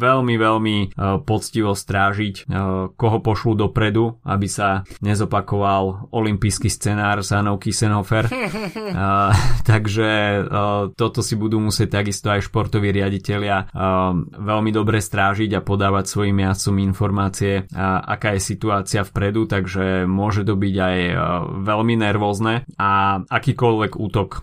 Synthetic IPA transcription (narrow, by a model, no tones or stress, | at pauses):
ʋɛlmiʋɛlmipɔt͡sciʋɔst̪ɾaːʒickɔɦɔpɔʃlud̪ɔpɾɛd̪ua̰bisaɲɛzɔpakɔʋalɔlimpijskist͡sɛnaːɾzanɔʊkisɛnɦɔfɛɾ | t̪aɡʒɛ | t̪ɔt̪ɔsibud̪uːmusɪɛc̚t̪aɡist̪ɔajʃpɔɾt̪ɔʋiːɾɪaɟicɛlɪa | ʋɛlmid̪ɔbɾɛst̪ɾaːʒiɟapɔd̪aːʋacsʋɔjimːɪast͡sɔminfɔɾmaːt͡siɛʔa̰kaːjɛsit̪uaːt͡siafpɾɛd̪ut̪aɡʒɛmʊɔʒɛt̪ɔbiɟajʋɛlminɛɾʋɔːznɛaakiːkɔlʋɛɡuːt̪ɔk